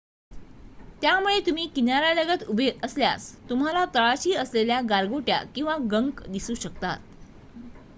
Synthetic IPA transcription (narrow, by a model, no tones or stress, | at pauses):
t̪jamuɭet̪um̤iːkinaɾaləɡət̪ubʱeʔəslja̰st̪um̤alat̪əɭat͡ɕiːəsleljaɡalɡoʈja̰kĩw̃ʋaɡəŋkd̪isuːɕək̚t̪a̰t̪̚